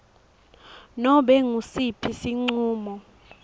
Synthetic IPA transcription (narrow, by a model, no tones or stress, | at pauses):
nɔɓɛŋusipʰisiŋ͡ǀuːmɔ